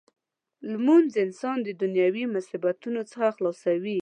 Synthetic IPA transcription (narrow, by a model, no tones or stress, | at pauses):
lmunzɪnsɑnd̪əd̪ʊnjɑwimʊsɪbat̪unot͡səxaxlɑsawi